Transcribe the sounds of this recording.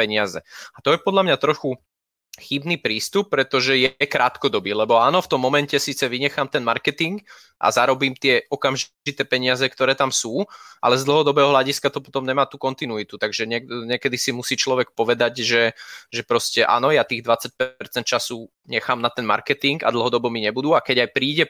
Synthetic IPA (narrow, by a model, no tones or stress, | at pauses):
pɛɲɪazɛat̪ɔjɛpɔd̪ʎamɲat̪ɾɔxu | xibniːpɾiːst̪up̚ːɾɛt̪ɔʒɛjɛkɾaːt̪kɔd̪ɔbiːlɛbɔaːnɔft̪ɔmːɔmɛncɛsiːt͡sɛʋiɲɛxamt̪ɛnmaɾkɛt̪iŋɡ | ʔa̰zaɾɔbiːmt̪ɪɛɔkamʒ | it̪ɛːpɛɲɪazɛkt̪ɔɾɛːt̪amsuːʔa̰lɛzd̪l̩ˠɦɔd̪ɔbɛːɦɔɦlʎaɟiskat̪ɔpɔ̥t̪ɔmɲɛmaːt̪ukɔnt̪inuit̪ut̪aɡʒɛɲɪɛɲɪɛkɛd̪isimusiːt͡ʃlɔʋɛk̚pɔʋɛd̪aɟʒɛʒɛpɾɔscɛʔa̰ːnɔjat̪iːɣd̪ʋat͡sac̚pɛɾt͡sɛnt̪t͡ʃasu | ɲɛxaːmnat̪ɛnma̰ɾkɛt̪iŋɡa̰d̪l̩ˠɦɔd̪ɔbɔmiɲɛbud̪uːakɛɟajpɾiːɟɛ